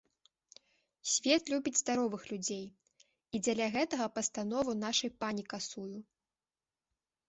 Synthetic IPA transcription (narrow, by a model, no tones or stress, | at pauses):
sʲvʲɛt̪lʲubʲid͡zʲzd̪aɾɔvɨxlʲud͡zʲej | id͡zʲɐlʲaɣɛt̪ɐɣɐpɐst̪anɔvɨnaʂɐjpanʲikasuju